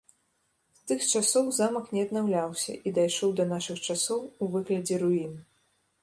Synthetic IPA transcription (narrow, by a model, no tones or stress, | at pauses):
st̪ɨxt͡ʂasɔwzamɐknʲɛɐd̪̚nawlʲawsʲɐ̰ʔid̪ajʂɔwd̪ɐnaʂɨxt͡ʂasɔwuvɨɣlʲɐd͡zʲɛɾuin